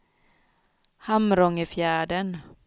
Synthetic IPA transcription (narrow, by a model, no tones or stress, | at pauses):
hamɾɔŋəfjæːɖən